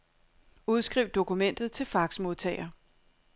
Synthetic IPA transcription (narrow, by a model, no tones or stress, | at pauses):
uð̞ˠsɡ̥ʁiʊd̥̚o̝kumen̰d̥ð̞̩ˠt͡sʰe̝lfɑ̈ɡ̥smo̝ðˠt͡sʰɛ̰ːɪɐ